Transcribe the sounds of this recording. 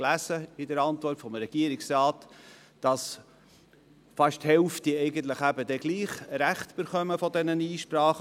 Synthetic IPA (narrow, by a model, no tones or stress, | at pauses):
læsəɪdəɾɑntvɔrtfɔmɾɛɡ̥iəɾiksɾaːt | d̥ɑs | fɑʃthɛlftiɛɪɡən̩t̪ləχæbədɛɡ̥liːχɾæχtb̥əɾχœməfɔdɛnəniːʃpɾɑːχ